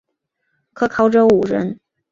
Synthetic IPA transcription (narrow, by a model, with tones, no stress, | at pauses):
kʰɤ˧˥kʰɑ˧˥ʊʈ͡ʂo˧˥u˨˩ɻə˧˥n